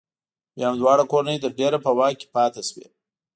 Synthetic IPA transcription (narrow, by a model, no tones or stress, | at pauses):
bjɑamd̪wɑːɽakoɾnəjd̪əɾɖeɾapəwɑke̥pɑt̪eʃwḛ